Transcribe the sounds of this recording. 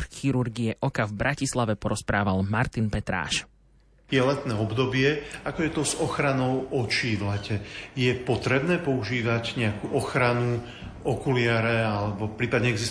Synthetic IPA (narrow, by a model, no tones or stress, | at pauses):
xiɾuɾɡiɛʔɔkavbɾʔacislaʋɛpɔɾɔspɾaːʋalmaɾt̪inpɛt̪ɾa̰ːʃ | jɛlɛt̪nɛːɔbd̪ɔbɪɛakɔjɛt̪ɔzɔxɾanɔʊɔt͡ʃiːvlɛcɛjɛpɔt̪ɾɛbnɛːpɔuʒiːʋaɟɲɛakuʔɔxɾanu | ɔkulɪaɾɛalɛbɔpɾiːpad̪ɲɛɛɡzis